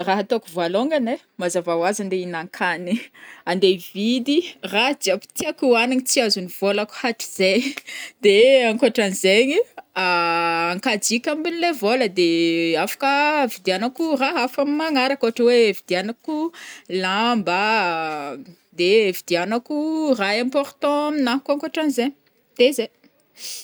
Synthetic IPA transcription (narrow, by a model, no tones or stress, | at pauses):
raɦat̪okuvaloŋɡane | mazavawazand̪einaŋkʰaniand̪evid̪iraɦd͡ziapi̥t̪iakuaniɲit͡siazuniv̥olaku̥haʈ͡ʂi̥z̥ed̪eaŋkoaʈ͡ʂanizeɲiaːŋkad͡zikʲambinilevoləd̪eafḁkəvid̪ianakuraɦafamimaŋaɾakoaʈ͡ʂəwevid̪ianakulamba | d̪evid̪ianakuraẽmpoɾt̪ɔ̃minaɦkaŋkoʈ͡ʂanizeɲ | d̪̥eze